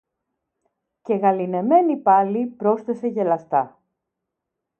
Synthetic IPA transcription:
ce̞ɣɐline̞me̞nipɐlipɾo̞sθe̞se̞ʝe̞lɐst̪ɐ

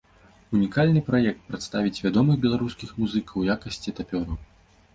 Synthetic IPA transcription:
unʲikalʲnɨpɾajɛk̚t̪̚pɾɐt̪st̪avʲit͡sʲvʲad̪ɔmɨxbʲɛlˠaɾuskʲixmuzɨkʰɐwjakɐsʲt͡sʲit̪apʲɔɾɐ

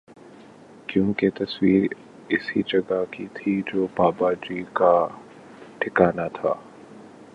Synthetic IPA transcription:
kjõːket̪ɐswiːɾ | ɪsid͡ʒɐɡakit̪ʰid͡ʒoːbaːbad͡ʒika | ʈʰɪkaːnat̪ʰa̰ː

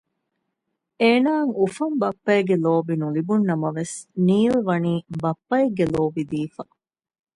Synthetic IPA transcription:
eːnaːŋufɐmbɐpːɐeɡeloːbinulibunːɐmɐʋesniːlʋɐniːbɐpːɐjeɡːeloːbid̪iːfɐ

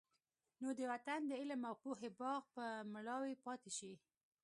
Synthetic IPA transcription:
nod̪əwat̪and̪əɪlamawpuɦebɑɣpəmɽɑwepɑt̪eʃi

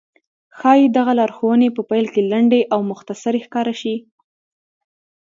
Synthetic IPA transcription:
xɑjid̪aɣalɑɾxowənepəpajlkelaɳɖeʔawmʊxt̪asaɾexkɑɾaʃi

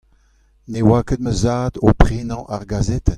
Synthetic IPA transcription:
newaːkəd̪̚məzaːd̪opχeːnɑ̃ʔaʁɡazɛt̪ɛn

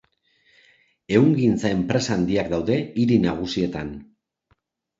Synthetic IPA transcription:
e̞uŋɡint͡sae̞mpɾe̞saːnd̪iakd̪awðe̞iɾinaɣ̞usie̞t̪an

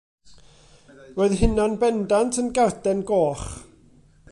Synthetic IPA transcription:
voːɨðɦɪnɔnbɛndantʰənɡardɛnɡoːχ

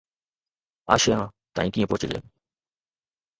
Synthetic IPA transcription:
a̰ɕeã | t̪ã̰ĩkĩpot͡ɕilḛm

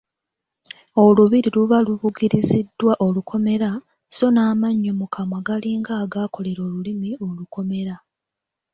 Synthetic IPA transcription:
o̞luβiɾiluβaluβuɡiɾizidːwaʔo̞lukʰo̞me̞ɾa | so̞naːmaɲːomukʰamwaɡaliːŋɡaːɡaːko̞le̞ɾo̞ːlulimio̞luko̞me̞ɾa

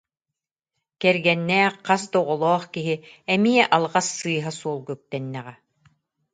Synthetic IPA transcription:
kɛɾɡɛnːɛːqqas̬d̪ɔʁɔlˠɔːχkiɦiɛmiɛʔalˠʁasːɯːɦasuɔlˠɡœp̚t̪ɛnːɛʁɛ

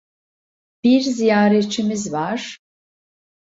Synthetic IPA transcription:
b̥iɾzijaːɾet͡ʃʰimizvaɾ̥

